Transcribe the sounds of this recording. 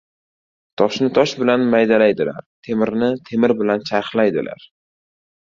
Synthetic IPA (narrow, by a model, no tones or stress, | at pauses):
t̪ʰɒʃnɪt̪ʰɒʃbɪlanmajd̪alajd̪ɪla̰ɾt̪ʰe̞mɪɾnɪt̪ʰe̞mɪɾbɪlant͡ʃʰaɾqlajd̪ɪlʔa̰ɾ